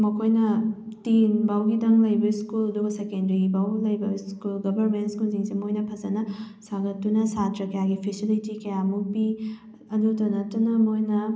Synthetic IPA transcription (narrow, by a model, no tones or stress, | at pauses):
mɐkʰojnɐtinbawɡidɐŋlɐjbɐiskulɐduɡɐsekendɐɾibawlɐjbɐiskulɡɐbʱɐɾmentskulziŋsemojnɐpʰɐzɐnɐ | saɡɐtːunɐsatɾɐkɐjaɡipʰisilitikɐjamupi | ɐdutɐnɐtːunɐmojnɐ